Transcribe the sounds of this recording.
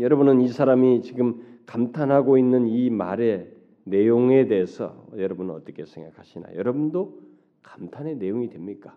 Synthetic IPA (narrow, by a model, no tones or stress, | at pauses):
jʌɾʌbunɯnisʰaɾamit͡ɕiɡɯmkamtʰanɦaɡoinːɯnima̰ɾe̞ | ne̞joŋe̞de̞ɦːsʰʌ̰jʌɾʌbunɯʌ̰t͈ʌkʰe̞sʰe̞ŋɡa̰kʰaɕʰina̰jʌɾʌbundo | kḁmtʰane̞ne̞joŋidwe̞mɲik͈a